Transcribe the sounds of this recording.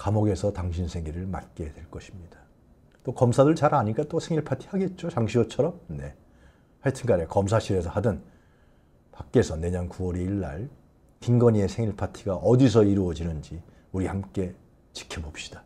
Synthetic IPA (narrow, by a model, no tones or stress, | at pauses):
kamoɡe̞sʰʌtaŋɕʰinsʰe̞ŋiɾɯɭma̰t̚k͈e̞dwe̞ɭk͈ʌɕʰimɲid̥a | t͈okʌmsʰadɯɭt͡ɕaɾaɲik͈at͈osʰeŋiɭpʰatʰi̥haɡe̞t̚t͡ɕ͈ot͡ɕaŋɕʰiot͡ɕʰʌɾʌmne̞̰ | haɭtʰɯnɡaɾekʌmsʰaɕʰiɾe̞s̬ʰʌhadɯn | pak̚k͈e̞sʰʌne̞ɲʌnkuwʌɾeiɭːa̰ɭ | tiŋɡʌɲie̞sʰeŋiɭpʰatʰiɡaʔʌdis̬ʰʌiɾuʌd͡ʑinɯnd͡ʑi | uɾihamk͈e̞ | t͡ɕi̥kʰebop̚ɕ͈i̥d̥a